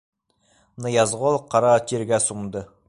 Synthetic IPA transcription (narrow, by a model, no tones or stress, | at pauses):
nɤjɑzʁolˠqʰɑɾɑt̪ʲʰeɾɡʲæsumd̪ə